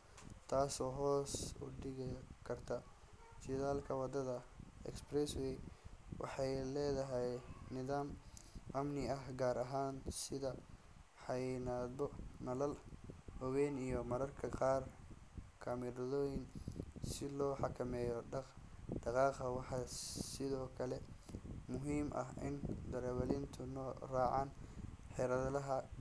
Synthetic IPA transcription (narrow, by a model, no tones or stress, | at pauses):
t̪ʰaːsɔːɦɔːsʊ̰ɖɪɣɪkʰɐrt̪ʰɐ | t͡ʃɪðaːlkʰɐwɑd̪ɐðɐɛ̰ksprɛswɛjwʔɑ̰ħɑjlɛːðɐɦɛjnɪðaːmʔɐmnɪɐɦɡaːɾɐɦaːnsɪðɐ | ħɑjnad̪bɔnɐlɐlhɔwɛːnijɔmɐɾɐrkʰɐqɑːr | kʰamɪɾðɔːjɪnsɪlɔːħɑkʰɐmɛːjɔ | d̪̥ɑqɑːqɐwɑħɑsɪðɔːkʰɐlɛmʊɦiːmʔɐ̰ɦɪ̰nd̪ɐɾɛwɐlɪnt̪ʰʊnɔːraːʕɑːnħɛɾɐðlɐɦɐ